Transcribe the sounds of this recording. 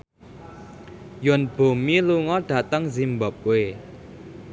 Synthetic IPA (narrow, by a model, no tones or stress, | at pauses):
jʊnb̥o̤miluŋɔɖ̥ä̤t̪əŋzimbəp̚we